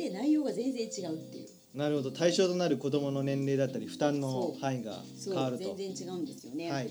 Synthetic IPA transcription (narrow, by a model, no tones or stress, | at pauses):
d̪enaijo̞ːɡazẽ̞nzẽɲt͡ɕiɡaɯ̟t̪ːe̞̰jɯ̰ | naɾɯ̟ho̞d̪o̞t̪aiɕo̞ːt̪o̞naɾɯ̟ko̞d̪o̞mo̞no̞nẽ̞nɾe̞ːd̪at̪ːaɾʲiɸɯ̟̥t̪ãnːo̞haiɡa̰ | sokːaβaɾɯ̟tzẽ̞õzẽ̞ɲt͡ɕiɡaɯ̃nd̪e̞sɨjo̞ne̞hai